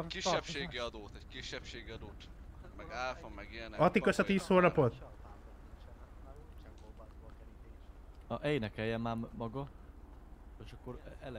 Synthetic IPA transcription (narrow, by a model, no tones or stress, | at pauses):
kiʃɛpʃʃeːɡiɒd̪oːt̪ɛckiʃːɛpʃeːɡiɒd̪oːt̪mɛɡalfomːɛɡiɛnɛɒt̪ikøʃɒt̪iːshoːnɒpot̪ | ɒʔɛjnɛkɛjɛmmaːmmɒɡɒ | eʃɒkːoɾɛlɛ